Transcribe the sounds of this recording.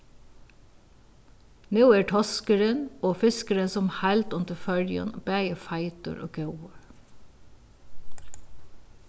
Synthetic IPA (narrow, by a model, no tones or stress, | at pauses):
nʉːeːʈʰɔskəɾənoːfɪskəɾənsɔmhælt̪ʊnt̪əfœljə̰nb̥æɪəfɑɪt̪ə̰ɹʔo̰ːɡɑwəɹ